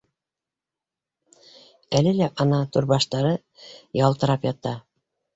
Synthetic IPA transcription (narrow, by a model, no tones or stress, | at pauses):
ælɘlæʔɑnɑt̪uɾbɑʃt̪ɑɾɤ | jɑlˠt̪ɤ̆ɾɑpjɑt̪ːɑ